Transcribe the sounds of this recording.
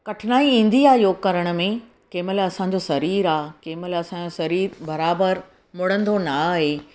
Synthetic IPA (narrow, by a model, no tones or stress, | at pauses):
kɐʈʰɪnaːiĩːn̆d̪iaːjoːɡkɐɾəɽ̃ʊ̆mẽ | keːməlɐsãɲ̆d͡ʑosɐɾiːɾaːkeːməlɐsãːd͡ʑosɐɾiːɾbɐɾaːbəɾ | mʊɽ̤ə̃nd̪onaaːɦeː